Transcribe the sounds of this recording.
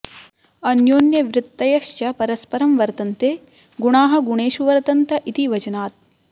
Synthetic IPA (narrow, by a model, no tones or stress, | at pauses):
ɐnjoːnjɐʋɾɪt̪ːɐjɐʃjɐpɐɾɐspɐɾɐmʋɐɾt̪ɐnt̪eː | ɡuɳaːɦɐ̆ɡuɳeːʃuʋɐɾt̪ɐnt̪ɐʔit̪iʋɐd͡ʒɐnaːt̪̚